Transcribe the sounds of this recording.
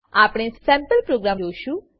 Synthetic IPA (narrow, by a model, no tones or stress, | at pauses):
apɽ̃esɛ̃mpəlpɾoɡɾaoʃũ